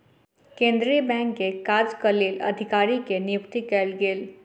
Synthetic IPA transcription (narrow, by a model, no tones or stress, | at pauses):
kẽnd̪ɾiəbɛ̃ŋkekad͡zkəleːlə̰d̪ʱikaɾikenijukt̪iːkelɡeːl